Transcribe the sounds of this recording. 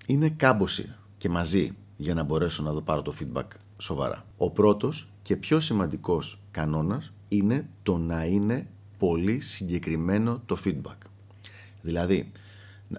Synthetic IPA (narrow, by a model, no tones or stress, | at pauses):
ine̞kɐbo̞sḭ | ce̞mɐzi | ʝɐnɐbo̞ɾe̞so̞nɐðo̞pɐɾo̞t̪o̞fid̪̚bɐ̰k | so̞vɐ̰ɾɐ̰o̞pɾo̞t̪o̞s | ce̞pço̞simɐnd̪iko̞skɐno̞nɐs | ine̞t̪o̞nɐine̞ | po̞lisiɲɟe̞kɾime̞no̞t̪o̞fid̪̚bɐk | ðilɐði | n